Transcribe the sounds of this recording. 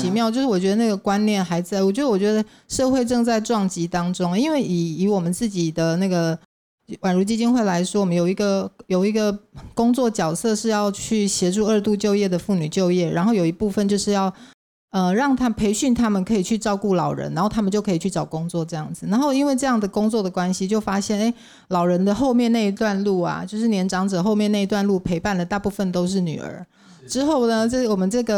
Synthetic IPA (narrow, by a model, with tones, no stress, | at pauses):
t͡ɕʰi˧˥mjɑ˥˧ʊt͡ɕjo˥˧ʂɻ̩˥˩wɔ˨˩t͡ɕɥɛ˧˦d̪ə˧na˥˩ɡə˩kwa˥nnjɛ˥˩nxa˧˥ɪt͡sa˥˩ɪwɔ˨˩t͡ɕɥɛ˧˥də˧wɔ˨˩t͡ɕɥɛ˧˥d̪ə˧ | ʂɤ˥˧xwe˥˧ɪʈ͡ʂɤ˥˧ŋt͡sa˥˧ɪʈ͡ʂwɑ˥˩ŋt͡ɕi˧˥t̪ɑ˥ŋʈ͡ʂʊ˥ŋ˨i˥nwe˥˩ɪi˨˩i˧˥wɔ˨˩mə˦nt͡sɹ̩˥˩t͡ɕi˨˩d̪ə˦na˥˩ɡə˩ | wa˨˩nɻu˧˥t͡ɕi˥t͡ɕi˥nxwe˥˩ɪla˧˦˥ɪʂwɔ˥wɔ˨mə˦njo˨˩i˧˦˥ɡə˧jo˨˩ʊi˧˥ɡə˨kʊ˥ŋt͡swɔ˥˩t͡ɕjɑ˨˩ʊsɤ˥˧ʂɻ̩˥˧jɑ˥˧ʊt͡ɕʰy˥˩ɕjɛ˧˥ʈ͡ʂu˥˧ə˞˥˧t̪u˥˧t͡ɕjo˥˧ʊjɛ˥˩d̪ə˩fu˥˩ny˨˩t͡ɕjo˥˧ʊjɛ˥˩ɻa˧˥nxo˥˩ʊjo˨˩ʊi˧˥pu˥˩fə˨nt͡ɕjo˥˧ʊʂɻ̩˥˧jɑ˥˩ʊ | ə˧ɻɑ˥˩ŋt̪ʰa˥pʰe˧˥ɪɕy˥˩nt̪ʰa˥mə˨nkʰɤ˧˥i˨˩t͡ɕʰy˥˧ʈ͡ʂɑ˥˧ʊku˥˩lɑ˨˩ʊɻə̰˧˦na˧˥nxo˥˩ʊt̪ʰa˥mə˨nt͡ɕjo˥˩ʊkʰɤ˧˥i˨˩t͡ɕʰy˥˩ʈ͡ʂɑ˨˩ʊkʊ˥ŋt͡swɔ˥˨ʈ͡ʂɤ˥˧jɑ˥˩ŋd͡zɹ̩˩na˧˥nxo˥˩ʊi˥nwe˥˧ɪʈ͡ʂɤ˥˧jɑ˥˩ŋd̪ə˩kʊ˥ŋt͡swɔ˥˩d̪ə˩kwa˥nɕi˨t͡ɕjo˥˩ʊfa˥ɕjɛ˥˩ne˥ɪ | lɑ˨˩ʊɻə˧˥nd̪ə˨xo˥˧ʊmjɛ˥˧ne˥˩ɪi˧˥t̪wa˥˧nlu˥˩a̰˩t͡ɕjo˥˧ʊʂ̬ɻ̩˥˩njɛ˧˥nʈ͡ʂɑ˧˥ŋʈ͡ʂɤ˨˩xo˥˧ʊmjɛ˥˧ne˥˩ɪi˧t̪wa˥˧nlu˥˩pʰe˧˥ɪpa˥˩nlə˩t̪a˥˧pu˥˩fə˨nt̪o˥ʊʂ̬ɻ̩˥˩ny̰˨˩ə̰˞˧˥ | ʈ͡ʂɻ̩˥xo˥˩ʊnə˩ʈ͡ʂə˥˩wɔ˨˩mə˦nʈ͡ʂɤ˥˩ɡə˩